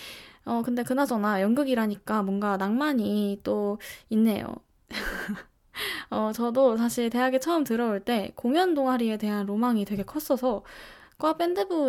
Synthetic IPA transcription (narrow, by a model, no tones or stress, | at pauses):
ʌkɯnde̞kɯnad͡ʑʌnajʌŋɡɯɡiɾaɲik͈amwʌnɡanaŋmaɲit͈oinːe̞jo̰ | ʌt͡ɕʌdosʰaɕʰiɭte̞ɦaɡet͡ɕʰʌʌmtɯɾʌoɭt͈e̞koŋjʌndoŋɦaɾie̞te̞ɦanɾomaŋitwe̞ɡe̞kʰʌs͈ʌsʰʌk͈oap͈endɯbu